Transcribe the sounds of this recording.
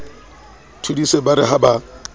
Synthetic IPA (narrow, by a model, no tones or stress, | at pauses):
tʰudisebaɾɪɦaba